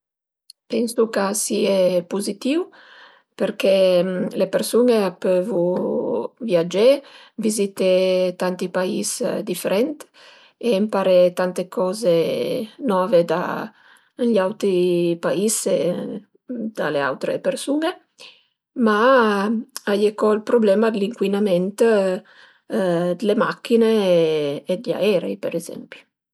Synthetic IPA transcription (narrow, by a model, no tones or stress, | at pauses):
pɛnsukasiepuzit̪iw | peɾkelepeɾsuneapøvu | vjad͡ʒevizit̪et̪ant̪ipaisd̪ifeɾɛnt̪ | empaɾet̪ant̪ekɔzenɔːved̪a̰ | ʎawt̪ɾipaise | d̪̥a̰lea̰wt̪ɾḛpeɾsune | ma | ajekɔilpɾoblɛːmad̪liŋkwinamɛnt̪ | d̪lemakːineː | d̪ʎa̰ɛːɾḛipeɾezɛ̰mpi̥